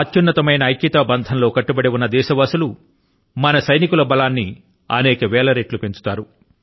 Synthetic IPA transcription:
ɐt͡ʃːunːɐt̪ɐmɐjnɐɐjkːit̪ɐbɐnd̪ʱɐnlo̞ːkɐʈːubɐɽewunːɐd̪ɛːʃɐʋɐsulu | mɐnɐsɐjnikulɐbɐlaːnːi | ɐ̰nɛːkɐʋɛːlɐɾeːʈlupe̞ɲt͡ʃu̥t̪aːɾu

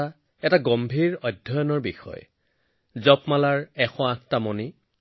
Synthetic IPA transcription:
a | ɛtaɡɔmbʱiɹɔdʱːɔjɔnɔɹbixɔ̰j | zɔpmalaɹɛxɔ̃ãk̚tamɔni

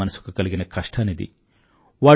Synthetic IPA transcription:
ɐnɐsu̥kɐkɐɭiɡinɐkɐʂʈʰɐnid̪ḭ | ʋɐ

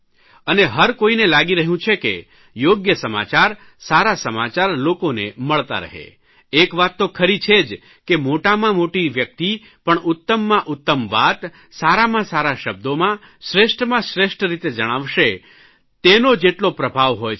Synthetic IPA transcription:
əneɦəɾkoinelaɡiɾəɦjũt͡ʃʰekḛ | joɡjəsəma̰t͡ʃaɾ | saɾasəmat͡ʃaɾlokoneməɭt̪a̰ɾə̰ɦḛ | ekʋat̪ːokʰəɾit͡ʃʰed͡ʒ | kemoʈamãmoʈiʋjək̚t̪i | pəɳʊt̪ːəmːãʔʊt̪ːəmʋat̪ | saɾamãsaɾaʃəb̚d̪omã | ʃɾeʃʈmãʃɾeʃʈɾit̪ed͡ʒəɽ̃aʋʃe | t̪enod͡ʒeʈlopɾəbʱaʋɦoj

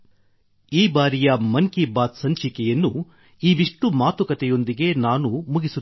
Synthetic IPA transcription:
iːbaːɾijɐmɐŋkibaːt̪sɐɲt͡ʃikɛjɐnːu | iːʋiʂʈumaːt̪ukɐt̪ɛjo̞nd̪iɡe̞naːnumuɡisu

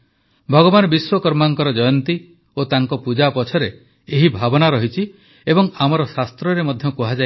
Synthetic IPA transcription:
bʱɔɡɔbanɔbiswɔkɔɾmaŋkɔɾɔd͡ʒɔjɔnt̪i | ot̪aŋkɔpud͡ʒapɔt͡ʃʰɔɾe | eɦibʱabɔnaɾɔɦit͡ʃʰi | ebɔŋamɔɾɔsast̪ɾɔɾemɔd̪ʱjɔkuɦad͡ʒa

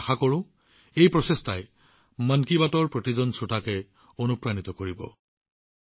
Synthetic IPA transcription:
xakɔɹʊ̃ | ejpɹɔsestʰaj | mankibatɔɹpɹot̪izɔnsutʰakɛ | onupɹanit̪ɔkoɹibɔ̰

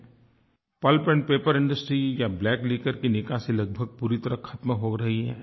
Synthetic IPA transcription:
pɐlpɛ̃ɳɖpeːpəɾɪ̃ɳɖəsʈɾijablɛːkliːkəɾkinɪkaselɐɡ̚bʱəɡ̚puːɾit̪ɐɾəkʰɐt̪mɦoɾɐɦiɦɛ̰ː

